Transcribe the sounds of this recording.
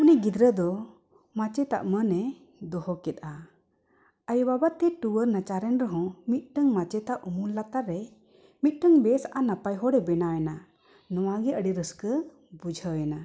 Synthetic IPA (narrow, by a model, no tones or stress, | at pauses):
unɛɡid̪ɾəd̪ɔ | mat͡ʃɛt̪a̰ʔmənɛ | d̪ɔhɔkɛt̪̚ˀa | əjbabat̪ɛʈuwəɾnat͡ʃaɾɛnɾəɦɔ̃mit̪̚ˀʈəŋmat͡ʃɛt̪aʔʔumulːat̪aɾːɛ | mit̪̚ˀʈəŋbɛsaʔanapajɦɔɽɛbɛnawɛna | nɔwaɡɛʔəɽiɾəskə | bud͡ʒʱəɛna